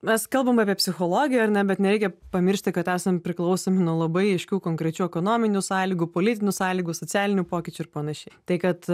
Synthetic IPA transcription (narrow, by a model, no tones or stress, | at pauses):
mʲɛskɐlˠbɐmɑːpʲiɛpʲsʲɪxoːlˠoːɡʲɪjɛɐɾnʲɛbʲɛt̪nʲɛɾʲɛɪkʲɛpɐmʲɪɾʲʃʲt̪ʲɪkɐt̪æːsɐmpʲɾʲɪklˠɐʊsoːmʲɪnuɔlˠɐbɐɪɐɪʃʲkʲuːkoːŋkɾʲɛt͡ʃʲuːɛkoːnoːmʲɪnʲusɑːlʲiːɡupoːlʲɪt̪ʲɪnʲuːsɑːlʲiːɡʊsoːt͡sʲæːlʲɪnʲupoːkʲɪt͡ʃʲʊɪɾpɐnɐʃʲɛɪt̪ɐɪkɐt̪